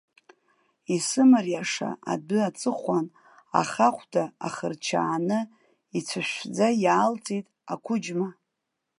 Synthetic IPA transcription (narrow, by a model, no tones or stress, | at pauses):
isɨmarjaʂa̰a̰dɨat͡sʼɨχʷan | a̰χaχʷʰdaaχərt͡ʃʰa̰ːnɨ | it͡sʷʰɨʃᶣʷd͡zajaːlt͡sʼitʼakʷʰʊd͡ʒma